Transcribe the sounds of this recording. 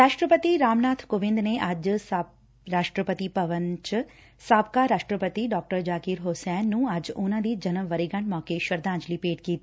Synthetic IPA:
ɾaːʃʈɾəpət̪iɾaːmnaːt̪ʰkoʋɪ̃nd̪neʔɐd͡ʒs | ɾaːʃʈɾəpət̪ipɐʋənt͡ʃ | saːb̚kaɾaːʃʈɾəpət̪iɖɔːk̚ʈəɾd͡ʒaːkiːɾɦosɛːnːũːɐd͡ʒʊnãːd̪iːd͡ʒɐnəʋʋɐɾiɡɐ̃ɳmɔːkeʃəɾd̪ãːɲd͡ʒlipeːʈkiːt̪i

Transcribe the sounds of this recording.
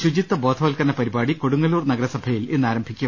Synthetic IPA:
ɕud͡ʑit̪ːɐbo̞ːd̪ʰʱɐʋɐlkɐnɐpɐɾibaːɽikoɽuŋːɐluːrnɐɡɐɾɐsɐbʱɐjilenːaːɾɐmbʱikʲːɐ

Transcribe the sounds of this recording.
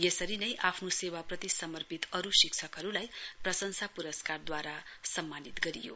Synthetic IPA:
jesʌɾinʌjʔapʰnosewaprʌt̪isʌmʌrpit̪ʌɾusikt͡sʰʌkɦʌɾulajprʌsʌnsapuɾʌskard̪waɾasʌmːanit̪ɡʌɾḭjo̰

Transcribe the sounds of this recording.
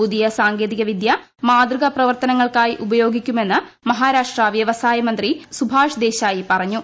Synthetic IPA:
uðijɐsaːŋɡeːðiɣɐʋid̪jɐ | maːd̪rɨɣɐprɐʋɐrt̪ɐnɐŋːɐɭkaːjiʔubɐjo̞ːɡikʲːume̞nːɨmɐɦaːɾaːʂʈraʋjɐʋɐsaːjɐmɐnd̪risubʱaːʂd̪e̞ːɕaːjipɐrɐɲːu

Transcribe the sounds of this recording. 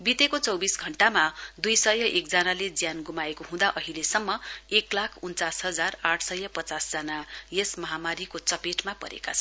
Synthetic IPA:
bit̪ekot͡sʌwbisɡʱʌɳʈamad̪ujsʌjʌʔek̚d͡zanaled͡zjanɡumaekoɦũd̪aʔʌɦilesʌmːʌeklakʰunt͡sasɦʌd͡zaraʈʰsʌjːʌpʌt͡sasd͡zanajesmʌɦamaɾikot͡sʌpeʈmapʌ̰ɾḛkat͡sʰʌn

